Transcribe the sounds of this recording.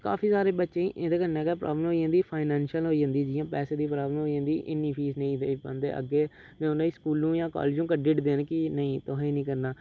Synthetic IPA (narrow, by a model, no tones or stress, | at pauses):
ka̰ːpʰiːsaːɾeːbətːʃẽːiʔeːd̪eːkəɾneːkɛːpɾa̰ːbləmɦoid͡ʒãnd̪iːpʰaːɪnɛːnʃəlɦoːiːd͡ʒãːnd̪iːd͡ʒɪjãːpɛːseːd̪iːpɾaːbləmɦoːid͡ʒãːnd̪iːʔɪnːĩːpʰiːsnə̃ĩːd̪eːpə̰̃nd̪ḛːʔə̰ɡːeː | nẽːʊnãːiːskuːlnũːjãːkɔ̰ːleːd͡ʒũːkəɖɪʈd̪eːnkɪnəĩːt̪ʊɦẽːnĩːkəɾnaː